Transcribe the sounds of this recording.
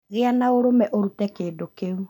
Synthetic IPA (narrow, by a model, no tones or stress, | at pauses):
ɣeanaoɾomɛʔoɾutɛkeːdokeu